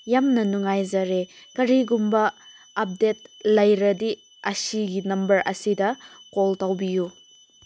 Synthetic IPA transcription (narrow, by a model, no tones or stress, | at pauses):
jamnɐnuŋajzɐɾekɐɾiɡumbɐː | p̚det̚lɐjɾɐdi | ɐsiɡinɐmbɐɾɐ̰sidɐkoltawbiju